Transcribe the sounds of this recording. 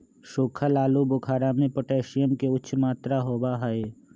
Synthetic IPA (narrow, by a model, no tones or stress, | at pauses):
ʃoːkʰəlaːlubʊkʰaːɾamẽpəʈeːʃɪjəmkeʊʃʰmaːt̪ɾaɦoːbaɦəe